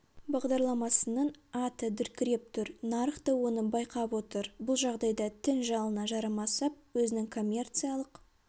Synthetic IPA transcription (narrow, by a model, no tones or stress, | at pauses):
bɑʁd̪ɑɾlˠɑmɑsənəɴɑt̪əd̪ʏɾkʲɪɾe̞p̚t̪ʰʊɾnɑɾəχt̪ɑwo̞nəbɑjqɑpwo̞t̪əɾbʊlˠʒɑʁd̪ɑjd̪ɑt̪ʰɪnʒɑlˠənɑʒɑɾɑmɑsɑp̚wɵzɪnɪŋkʰo̞mʲːe̞rt̪sɨjalˠəq